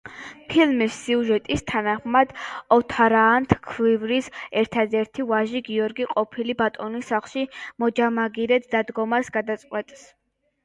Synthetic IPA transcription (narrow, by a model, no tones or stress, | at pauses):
pʰilmisːiuʒɛt̪ʼist̪ʰanaχmad̪̥ɔt̪ʰaɾaːnt̪ʰkʰwivɾisɛɾt̪ʰad̪ɛɾt̪ʰivaʒiɡiɔɾɡiqʼɔpʰilibat̪ʼɔnisaχlʃimɔd͡ʒamaɡiɾɛt̪ʰd̪ad̪ɡɔmasɡad̪at̪sʼqʼwɛt̪ʼs